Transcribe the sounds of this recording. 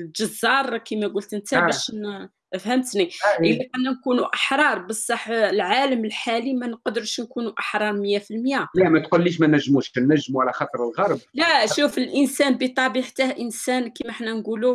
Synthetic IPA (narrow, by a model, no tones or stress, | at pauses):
lʒɑzːɑɾˤkimæɡʊlt̪ənt̪æbæʃn | ʔəfhæmt̪niʔəlːiʔænːænkunuʔəħɾˤɑɾˤbəsˤːɑħlʕaləməlħalimænqd̪əɾʃnkunuʔəħɾˤɑɾˤmjæfilmjælæmæt̪qulːiʃmænæʒːmuʃknːæʒːmuʕalæxɑt̪ˤəɾˤəlɣɑɾˤblæʃufəlʔənsænbit̪ˤɑbiħt̪æhʔənsænkimæħnænɡulu